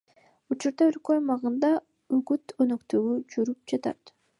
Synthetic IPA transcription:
ut͡ʃuɾd̪ɑølkøajmɑʁɯnd̪ɑ | yɡyt̪ønøkt̪øɡyd͡ʒyɾyp̚d͡ʒɑt̪ɑ̰t̪

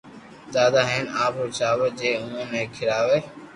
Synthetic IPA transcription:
d̪aːd̪aːɦeːnaːpɾʊːt͡ʃaːʋeːd͡ʒeːʊ̃ə̃ːnẽːkʰɪɾaːʋeː

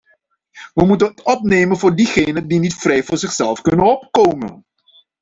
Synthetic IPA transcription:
ʋəmutənɦətɔp̚nejmənvʊːɹdiχejnəndinitfrɛjvʊːɹzɪχsɛlˠfkɵnənɔp̚kowmə̰n

